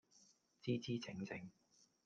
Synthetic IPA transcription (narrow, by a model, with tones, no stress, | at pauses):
t͡siː˥t͡siː˥t͡sʰɪ˨˥ŋt͡sʰɪ˨˥ŋ